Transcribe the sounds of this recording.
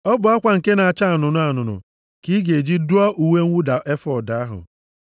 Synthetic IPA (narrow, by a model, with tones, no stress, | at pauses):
ɔ˦bʊ˨a˦kʷa˨ŋ̩˨ke˦na˨a˨t͡ʃa˦a˨nʊ˨nʊ˦a˨nʊ˨nʊ̰˨ | ki˦ɡe˨d͡ʒi˦du˦ɔ˦ʔu˨we˦ŋ̩ʷ˦u˦da˨ʔe˦fɔ˨da˨a˦ɦʊ̰˨